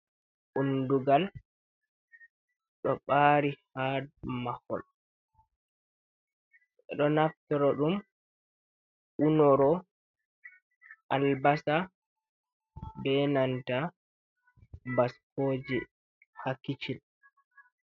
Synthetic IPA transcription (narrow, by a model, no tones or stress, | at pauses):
ʔunduɡal | ɗɔɓaːɾihadmahɔ̰l | ʔɛɗɔnaftɔɾɔɗum | ʔunɔɾɔ | ʔalbasa | bɛnanta | baskoːd͡ʒi | hakːit͡ʃil